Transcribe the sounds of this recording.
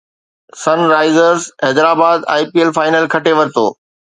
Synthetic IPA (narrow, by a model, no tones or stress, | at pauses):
sɐnɾaːɪzəɾzɦɛd̪ɾaːbaːd̪a̰ːɪpielfaːɪnəlkʰɐʈeʋɐɾɪt̪o̰ː